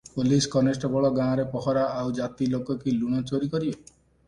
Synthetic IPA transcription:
poliskɔnesʈɔbɔɭɔɡãːɔ̃ɾepɔɦɔɾaʔawd͡ʒat̪ilokɔkiluɽ̃ɔt͡ʃoɾikɔɾibe

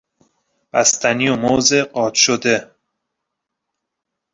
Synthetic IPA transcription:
b̥æst̪ʰænijomozeɢɒːt̪ʃod̪e

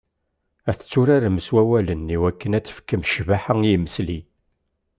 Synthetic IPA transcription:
æθə̥t͡sːuɾaɾməswæwælənːiwækːənæt͡sːə̥fkːəmʃvaħəŋjiməsli

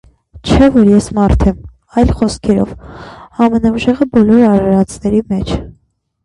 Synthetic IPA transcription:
t͡ʃʰɛvɔɾjɛsmɑɾt̪ʰɛm | ɑjlχɔskʰɛɾɔ̰vɑmɛnɑuʒɛʁəbɔlɔɾɑɾɑɾɑt͡sʰnɛɾimɛt͡ʃʰ

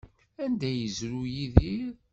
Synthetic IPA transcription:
ænd̪æjəzɾujiðiɾ

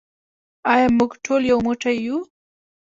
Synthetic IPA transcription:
ajamʊɡʈʰoljawmʊʈ͡ʂaju

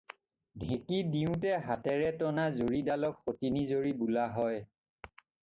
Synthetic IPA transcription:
dʱẽkidiʊ̃tɛɦatɛɹɛtɔnazoɹidalɔkxotinizoɹibulaɦɔj

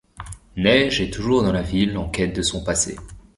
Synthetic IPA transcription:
nɛʒɛt̪uʒuʁd̪ɑ̃lavilːɑ̃kʲɛt̪̚d̪əsɔ̃pasḛ

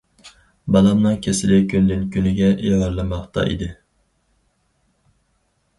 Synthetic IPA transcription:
bɑlˠɑmnɨŋkʲʰesɪlɪkʲʰønd̪ɪnkʲynɪɡʲɛʔiʁɑɾlˠɨmɑχt̪ɑ̰ʔḭd̪ɪ

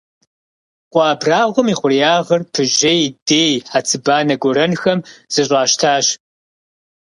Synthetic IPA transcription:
qʷɑːbraːʁʷʊmiːχʷʊrijaːʁɐrpʰɨʒejdeːjħat͡sʰɨbaːnɐɡʷɔɾɐnxɐmz̥ɨɕʼɑːʃtʰaːɕ

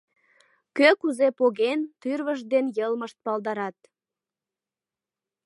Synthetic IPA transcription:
køkuzepoɣent̪yrβəʒd̪enjəlməʃt̪̚pɑld̪ɑɾɑt̪̚

